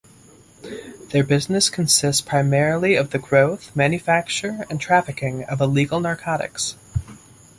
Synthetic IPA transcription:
ðə˞bɪznɨskʰɨ̃nsɪstspʰɹ̥aɪmɛɹl̩ˠiʌvðɨɡɹoʊθmæ̃njɨfæk̚t͡ʃə˞ɨ̃ntʰɹ̥æfɨkɪ̃ŋʌvəliɡl̩ˠnɑɹkʰɑɾɨ̰ks

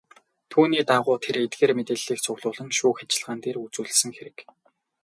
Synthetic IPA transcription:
t̪ʰuːniːt̪aʁʊːt̪ʰeɾet̪ɡeːrmet̪eːɮiːkt͡sʰʊɣɮʊːɮə̆ŋʃuːxat͡ɕɪ̆ɮʁaːnt̪eːrut͡suːɮsɘ̆ŋxeɾɘ̆k

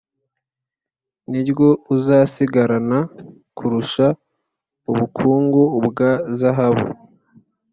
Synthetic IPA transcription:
niɾɡouzaːsiɡaɾana | kʰuɾuʃa | uβukʰuːŋɡuβɡazaɦaβṵ

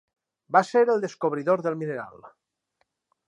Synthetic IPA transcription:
baseɾelˠd̪eskoβ̞ɾiðoɾðelˠmineɾa̰l

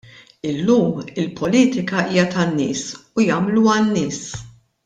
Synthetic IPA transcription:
ɪlːuːmɪlpʰɔliːt̪ɪkɐʔiːjɐt̪ɐnːɪ̰ːsujɐːmluɐnːɪːs

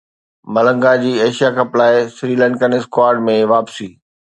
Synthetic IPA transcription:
mɐlə̃ŋɡad͡ʑiːeːʃijakʰãplaːesɾiːlɛ̃ɳʈkənɪskwaːɾɖmẽʋaːpsiː

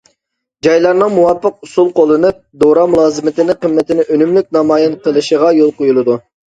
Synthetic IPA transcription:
d͡ʒɑjlˠɑɾnɨŋmuwɑpːəq̚usulˠqolˠːɨnɨp̚d̪oɾɑmulˠɑːzɨmɪt̪ʰɪnɪqəmːɪt̪ɪnɪʔønymlyk̚ʲnɑmɑːjɪnqʰəlˠɨʃəʁɑjolˠqojulˠɨd̪u

